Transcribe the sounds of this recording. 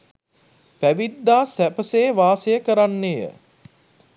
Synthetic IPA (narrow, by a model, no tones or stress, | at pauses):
pæʋid̪ːaːsæpəsejʋaːsejəkəɾanːejə̰